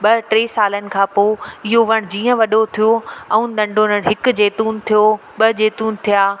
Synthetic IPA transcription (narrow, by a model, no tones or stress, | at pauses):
ɓɐʈɾeːsaːlənɪ̆kʰãːpoːɪɦoʋɐɽ̃d͡ʑiːə̃ʋɐɗot̪ʰijoɐũd̪ɐ̃ɳɖʱoːnəɽ̃ɦɪkʊ̆d͡ʑeːt̪uːnt̪ʰijo | ɓɐd͡ʑeːt̪uːnt̪ʰijaː